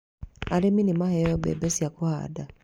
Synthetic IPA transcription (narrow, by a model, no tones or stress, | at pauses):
aɾeminimahɛjɔbɛ̰bɛsiakoha̰da